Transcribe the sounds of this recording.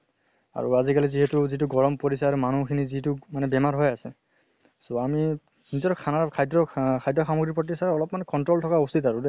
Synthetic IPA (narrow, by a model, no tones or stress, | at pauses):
a̰ɹṵazikaliziɦɛtuzituɡɔɹɔmpoɹisaaɹumanukʰinizitumanɛbɛmaɹɦɔjasɛ | soami | nizɔtɔkʰanakʰajdɹɔkʰajdɹɔxamoɡɹipɔt̬ːisaɔlɔpmanɛkɔntɹoltʰɔkaositaɹu